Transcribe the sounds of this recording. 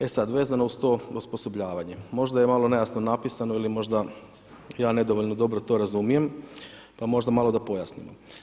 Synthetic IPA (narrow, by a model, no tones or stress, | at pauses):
e̞sad̪ʋe̞ːzanoust̪o̞uspo̞so̞bʎaːʋaɲemo̞ʒd̪aje̞malˠonejasnonapisano̞ilimo̞ʒd̪a | jaːne̞d̪o̞ʋoʎnod̪o̞bɾo̞t̪o̞ɾazumije̞m | pamo̞ʒd̪amalo̞d̪apo̞jasnḭmo̰